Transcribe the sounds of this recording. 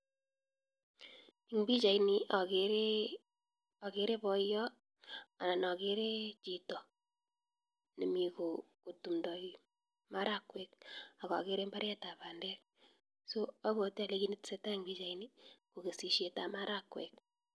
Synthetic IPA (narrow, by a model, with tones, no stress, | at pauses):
i˨ŋbi˦t͡ʃa˨ini˨ʔa˨keɾe˦ | a˨ke˨˦ɾe˦bɔ˦jɔ˦ | a˨na˨nɔ˨ke˦ɾe˦t͡ʃi˨tɔ˨ | ne˨mi˨ko˨ko˨tu˨mdɔ˨ki˨ | ma˦ɾa˦kwɛ˨k̚a˨ka̰˨ke˦ɾe˦mba˦ɾja˦ta˨pa˨ndɛ˦k | so˦a˦βo˨ti˦a˨le˦ki˦ni˦tse˦ta˦i˨ŋbi˦t͡ʃa˨ini˦ko˨ke˨si˨ʃe˨ta˨ma˦ɾa˦kwɛ̰˨k̚